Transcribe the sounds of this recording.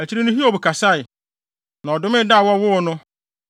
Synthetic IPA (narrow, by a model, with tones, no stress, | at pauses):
æ˨t͡ɕʰi˦ɾi˦nʊ̃˦ɦi˦o˨bu˨kʰa˨sa˦ɪ˨ | nã˨ɔ˨dʊ˦mɪ̃˦da˦˨wɔ˦wʊ˦˨nʊ̃˦